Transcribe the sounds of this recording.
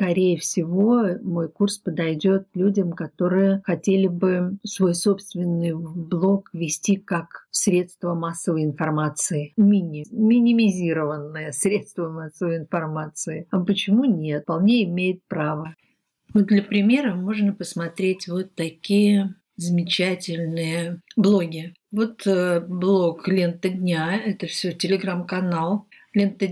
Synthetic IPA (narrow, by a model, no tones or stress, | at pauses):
skɐɾʲejəfsʲɪvo̞mo̞jkurspəd̪ɐjdʲo̞t̪̚lʲudʲəmkɐt̪o̞ɾɨjəxɐtʲelʲɪbɨsvo̞jso̞pst̪vʲɪnːɨjblˠo̞kvʲɪsʲtʲikakfsɾʲe̞t̪st̪vəmasːəvəjɪnfɐrmat̪sɨɪmʲinʲɪmʲɪnʲɪmʲɪzʲiɾəvənːəjəsɾʲe̞t̪st̪vəmasːəvəjɪnfɐrmat̪sɨɪɐpət͡ɕɪmunʲe̞t̪̚pɐlˠnʲeɪmʲejɪt̪̚pɾavə | vot̪̚d̪lʲəpɾʲɪmʲe̞ɾəmo̞ʐnəpəsmɐt̪ɾʲetʲvo̞t̪ːɐkʲijə | zəmʲɪt͡ɕætʲɪlʲnɨjəblˠo̞ɡʲɪ | vo̞t̪əblˠo̞klʲent̪ədʲnʲaɛt̪əfsʲotʲɪlʲɪɡɾamkɐnalˠ | lʲent̪ə